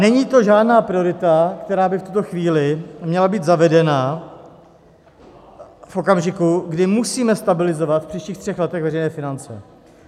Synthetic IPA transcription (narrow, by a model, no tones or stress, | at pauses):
nɛɲiːt̪o̞ʒaːdnaːpɾɪo̞ɾɪt̪akt̪ɛɾaːbɪft̪ut̪o̞xviːlɪmɲɛlabiːd̪zavɛdɛna | fʔo̞kamʒɪkuɡdɪmusiːmɛst̪abɪlɪzo̞vat̪fpr̥iːʃciːxt̪r̝̥ɛxlɛt̪ɛɣvɛɾɛjnɛːfɪnant͡sɛ̰